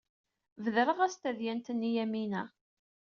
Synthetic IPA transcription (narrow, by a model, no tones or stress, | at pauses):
vəðɾəʁæst̪æðjænt̪ənːijæminæ